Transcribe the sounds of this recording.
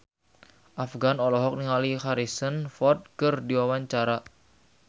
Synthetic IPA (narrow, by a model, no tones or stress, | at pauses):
ʔafɡanɔlɔɦɔk̚niŋalihaɾisənfɔt̪̚kərdiwawaɲt͡ʃaɾa